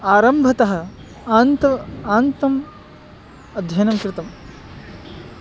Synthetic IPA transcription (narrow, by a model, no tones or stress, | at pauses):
aːɾɐmbʱɐt̪ɐɦɐ̆ | aːnt̪ɐaːnt̪ɐm | ɐd̪ʱjɐjnɐmkɾɪt̪ɐm